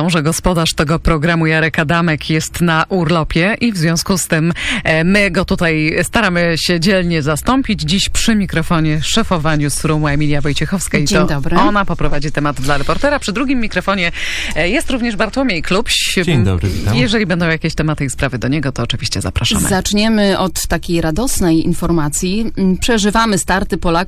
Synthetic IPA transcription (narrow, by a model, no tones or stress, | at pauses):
ɔ̃w̃ʐɛɡɔspɔd̪aʂt̪ɛɡɔpɾɔɡɾamujaɾɛkad̪amɛkʰjɛst̪naʔuɾlɔpʲjɛʔivzvʲjɔ̃w̃skust̪ɘmːɘɡɔt̪ut̪ajst̪aɾamɘɕɛd͡ʑɛlɲɛzast̪ɔmpʲid͡ʑd͡ʑiɕpʂɘmʲikɾɔfɔɲɛʂɛfɔvaɲusɾumɛmʲilʲjavɔjt͡ɕɛxɔfskait̪ɔd̪ɔbɾɔnapɔpɾɔvad͡ʑit̪ɛmad̪d̪laɾɛpɔɾt̪ɛɾapʂɘd̪ɾuɡʲimːʲikɾɔfɔɲɛjɛst̪ɾuvɲɛʐbaɾt̪wɔmʲjejklupɕd̪ɔ̰bɾvʲit̪ajɛʐɛlʲibɛnd̪ɔ̃w̃jakʲeɕt̪ɛmat̪ɨispɾavɘd̪ɔɲɛɡɔt̪ɔːt͡ʂɘvʲiɕt͡ɕɛza̰pɾaʂa̰mɨ̰zat͡ʂɲɛmɘɔt̪ːakʲejɾad̪ɔsnɛjḭnfɔɾmat̪sʲjipʂɛʐɘvamɘst̪aɾt̪ɘpɔlak